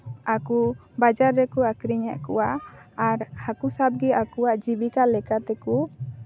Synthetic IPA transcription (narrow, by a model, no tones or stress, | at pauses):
akubad͡ʒaɾːɛkuakɾiɲa̰ʔkṵwaːɾhakusap̚ɡɛakuwaʔd͡ʒibikalɛkat̪ɛku